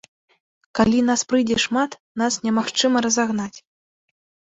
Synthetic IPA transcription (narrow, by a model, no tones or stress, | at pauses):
kalʲinaspɾɨdʲɛʂmat̪ | nasnʲɛmaxt͡ʂɨmɐɾɐzaɣnat͡sʲ